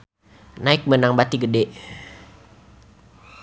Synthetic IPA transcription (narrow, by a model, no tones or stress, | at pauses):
naɪk̚mənaŋbat̪iɡədɛʔ